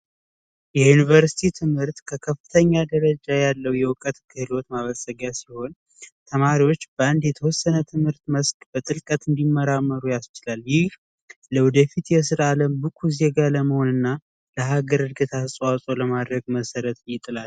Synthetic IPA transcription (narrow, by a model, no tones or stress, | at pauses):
jɛjunivəɾsi̥t̪ʰit̪ʰɨmhɨɾt̪kʰəkʰəfːɨt̪ʰəɲːad̪əɾəd͡ʒajalːəwjɛwʊkʼət̪kʰɨhɨlot̪maβəsʼəɡasiho̞n | t̪ʰəmaɾiwot͡ʃːbəand̪jɛt̪ʰəwɔsːənət̪ʰɨmhɨɾt̪məskʼb̥ət̪ʼɨlkʼət̪ɨnd̪imːəɾamːəɾujast͡ʃɪlaljɪh | ləwɔd̪əfit̪jɛs̬ɨɾʔaləmbɨkʰʼuzeɡaləməho̞nɨnːa | ləɦaɡəɾɨɾɡət̪ʰasʼwasʼo̞ləmad̪ɾəɡməsəɾət̪jɪt̪ʼɨlal